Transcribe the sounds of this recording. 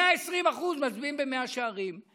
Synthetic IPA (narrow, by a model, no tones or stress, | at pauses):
aesʁimaχuzmazbiimbemeaʃeaʁim